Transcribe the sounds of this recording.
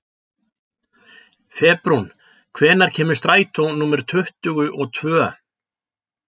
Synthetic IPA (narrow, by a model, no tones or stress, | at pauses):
fɛːpɾun | kʰvɛːnaɾ̥cʰɛːmʏɾ̥st̪ɾaːjt̪ʰɔnuːmɛɾʏ̥t̪ʰʏht̪ʏɣʏʔɔt̪ʰvœː